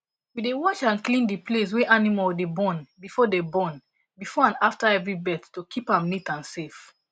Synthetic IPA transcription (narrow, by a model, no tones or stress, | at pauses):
widewɔt͡ʃãnklĩndiples̬wɛʔanimaldebɔ̃nbifɔdebɔ̃n | bifɔãnaftaɛvɹibɛttːokʰipãmnitãnsef